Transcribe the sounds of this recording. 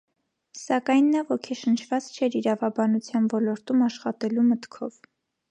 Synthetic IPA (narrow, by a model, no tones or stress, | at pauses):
sɑkɑjnːɑvɔkʰɛʃənt͡ʃʰvɑt͡st͡ʃʰɛɾiɾɑvɑbɑnut͡sʰjɑnvɔlɔɾt̪umɑʃχɑt̪ɛlumət̪kʰɔv